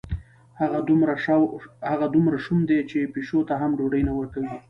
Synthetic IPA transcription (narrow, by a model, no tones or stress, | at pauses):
haɣamɾahaɣad̪umɾaʃumd̪et͡ʃepeʃot̪aɦamɖoɖəjnawəɾkawi